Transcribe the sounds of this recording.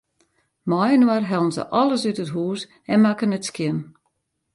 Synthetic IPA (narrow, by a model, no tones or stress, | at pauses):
mɔjənwarɦɛlˠən̩zə̰ʔɔlˠəsytətɦuːs | ɛnmakənətskjɪm